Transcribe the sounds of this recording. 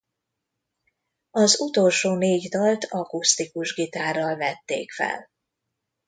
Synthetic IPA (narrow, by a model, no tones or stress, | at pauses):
ɒzut̪o̞lʃoːneːɟd̪ɒlt̪ʰɒkust̪ikuʒɡit̪aːrːɒlvɛt̪ːḛːkfɛ̰l